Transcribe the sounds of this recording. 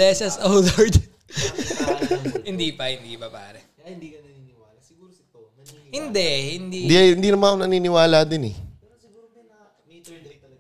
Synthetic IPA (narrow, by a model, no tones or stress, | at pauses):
ɛsɐsɐwðɐɹd̪ | hɪnd̪iːpɐhɪnd̪iːpɐpa̰ːɾɛ | hɪnd̪ɛhɪnd̪ind̪iɪnd̪iːnɐmaonɐniːnɪwaːlaːd̪ɪnɛ̰